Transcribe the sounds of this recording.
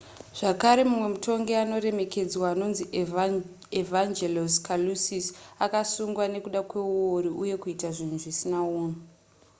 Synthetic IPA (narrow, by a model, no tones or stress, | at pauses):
ʐ̥akaɾe̞mumwe̞mutʰo̞ŋɡe̞ano̞re̞me̞ke̞d͡zwaːno̞nzi | evand͡ʒeloskalusisakasuŋɡwane̞kuɗakwe̞uwoɾiʔuje̞kuitaʐin̤uʐisinauːno